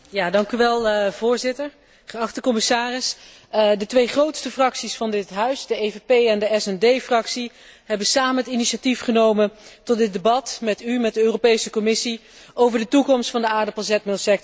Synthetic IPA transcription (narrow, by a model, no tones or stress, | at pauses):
jaːdɑŋkyʋɛlˠv̥ʊːɹzɪtəɹ | χəɑχtəkɔməsaːrɪs | dətʋejχrowtstəfrɑksisfɑndɪtɦœɥsdəejvepejɛndəɛsɛndejfrɑksi | ɦɛbəsaːmənɦətiniʃatifχənowməntɔt̚dɪd̚dəbɑtmɛtymɛt̚dəøːropejsəkɔmɪsi | ʔowvəɹdətukɔmstfɑndəaːɹdəplazɛt̚mɪlˠsɛk̚t